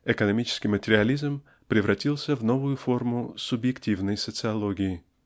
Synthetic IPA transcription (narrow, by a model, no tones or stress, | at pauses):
ɪkənɐmʲit͡ɕɪ̥skʲɪjmətʲɪɾʲɪɐlʲizm | pɾʲɪvɾʔɐtʲilˠsʲəvno̞vʊjʊfo̞rmʊsʊbjɪktʲivnəjsət̪sɨɐlˠoɡʲɪjɪ